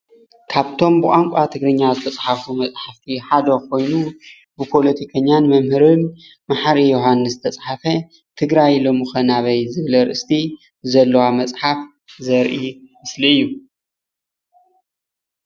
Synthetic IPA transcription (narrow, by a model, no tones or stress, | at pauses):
kʰaβt̪ʰo̞mbɨʔʼaŋkʷʼat̪ʰɨɡɾɨɲːazɨt̪ʰɐt͡sʼħafumɐt͡sʼħaft̪ʰiħad̪ɐkʰo̞jnu | bɨpʰo̞lɐt̪ʰikʰɐɲːanmɐmhɨɾɨn | maħaɾijoɦanːɨszɨ̥t̪ʰɐt͡sʼħafɐ | t̪ʰɨɡɾajlo̞mɨxɐnaβɐjzɨβlɐɾɨʔɨst̪ʰi | zɐlːɐwamɐt͡sʼħaf | zɐɾʔimɨsliɨjːu